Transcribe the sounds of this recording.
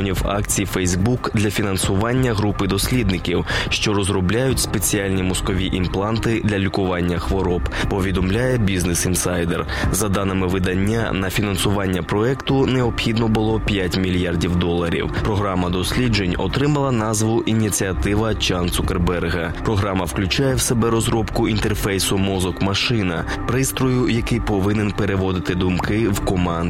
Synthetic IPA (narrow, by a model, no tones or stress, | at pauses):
ɔnʲiwa̰kt͡sʲijfɛjzbukd̪lʲɐfʲinɐnsʊʋɑnʲːɐɦɾupɪd̪ɔsʲlʲid̪nɪkʲiwʃt͡ʃɔɾɔzɾɔblʲajʊtʲspe̞t͡sʲialʲnʲimɔskɔʋʲiʔimplˠɑnt̪ɪd̪lʲɐlʲikʊʋɑnʲːɐxʋɔɾɔppɔʋʲid̪ɔmlʲajɛbʲiznesinsajd̪er | zɐd̪anɪmɪʋɪd̪ɐnʲːa̰nɐfʲinɐnsʊʋɑnʲːɐpɾɔɛkt̪ʊneɔpxʲid̪nɔbʊlˠɔpʲjatʲmʲilʲjardʲiwd̪ɔlˠːɐɾʲḭwpɾɔɦɾɑmɐd̪ɔsʲlʲid͡ʒenʲɔ̰t̪ɾɪmɐlˠɐnɑzʋʊʔʔinʲit̪ʲt͡sʲiɐt̪ɪʋɐt͡ʃant̪sʊkerbɛrɦɐ | pɾɔɦɾɑmɐwklʲʊt͡ʃajɛwsebɛɾɔzɾɔpkʊint̪erfɛjsʊmɔzɔkmɐʃɪnɐ̰ | pɾɪst̪ɾɔjʊjɐkɪjpɔʋɪnenpeɾeʋɔd̪ɪt̪ɪd̪ʊmkɪwkɔmɑnd